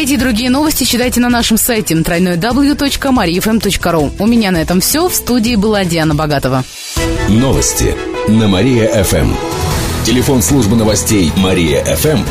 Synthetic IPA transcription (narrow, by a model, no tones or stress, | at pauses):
ɛtʲɪd̪ɾʊɡʲijəno̞vəsʲtʲɪɕɪt̪ajtʲɪnɐnaʂɨmsajtʲɪnt̪ɾɐjʲnojəd̪ɐblˠjut̪o̞t͡ɕkəmɐɾʲijɛfɛmt̪o̞t͡ɕkəɾuʊmʲɪnʲanɐɛt̪əmfsʲɵfst̪udʲɪːbɨlˠadʲɪanːəbɐɡat̪əvə | novə̰sʲtʲɪ̰nəmɐɾʲijəʔɛfɛ̰mtʲɪlʲɪfo̞nslˠuʐbɨnəvɐsʲtʲejmɐɾʲijə̰ʔɛfɛm